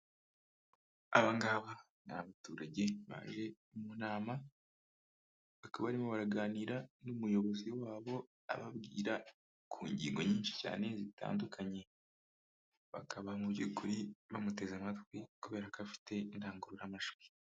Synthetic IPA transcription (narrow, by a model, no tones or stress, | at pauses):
aβaŋɡaβa | na̰βatuːɾaɟe̞βa̰ːʒe̞ | munaːma | βakaβaɾimoβaɾaɡaːniːɾanumujo̞βo̞ziwaːβo̞ | a̰βabɡḭːɾa | kʰuːɲɟḭːŋɡo̞ɲiːnʃi̥ca̰ːne̞zitʰa̰ːndukʰaɲe̞ | βakaβamubɟuɡuɾiβamute̞zamatɡwikuβe̞ːɾakafi̥te̞indaːŋɡuɾuɾamaʃu̥